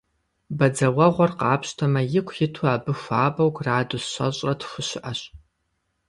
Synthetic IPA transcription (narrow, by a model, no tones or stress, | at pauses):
bɐd͡zɐwɐʁʷɔrqɑːpʰɕtʰɐmɐjɪkʷʰjɪtʰuaːbɨxʷaːbɐwɡraːdʊsɕʷɐ̰ɕʼrɐtʰxʷʊɕɪʔɐɕ